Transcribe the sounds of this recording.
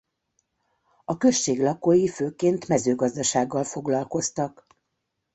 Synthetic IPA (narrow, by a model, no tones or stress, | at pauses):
ɒkø̞ʃːeːɡlɒkojiføːkeːnt̪mɛzøːɡɒzd̪ɒʃaːɡːɒlfo̞ɡlɒlko̞st̪ɒk